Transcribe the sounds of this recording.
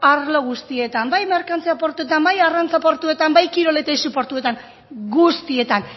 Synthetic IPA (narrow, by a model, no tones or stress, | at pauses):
aɾlo̞ɣ̞ust̪ie̞t̪ambajmeɾkant͡siapo̞ɾt̪uet̪ambajarant͡sapo̞ɾt̪ue̞t̪ambajkiɾo̞le̞t̪ejsupo̞ɾt̪ue̞t̪aŋ | ɡust̪ie̞t̪an